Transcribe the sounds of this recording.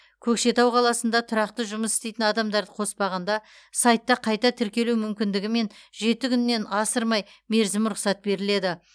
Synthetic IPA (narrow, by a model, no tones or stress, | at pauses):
kʲʰɵkʃe̞t̪ɑwqʰɑlˠɑsənd̪ɑt̪ʰʊɾɑqt̪əʒʊməsɪ̥st̪e̞jt̪ɪnɑd̪ɑmd̪ɑɾd̪əqʰo̞spɑʁɑnd̪ɑ | sɑjt̪ːɑqʰɑjt̪ɑt̪ʰɪɾkʲe̞luwmʏmkʲɪnd̪ɪɡʲɪme̞nʒe̞t̪ɪkʲʰʏnːe̞nɑsəɾmɑjme̞ɾzɪmɾʊqsɑt̪̚be̞ɾɪle̞d̪ɪ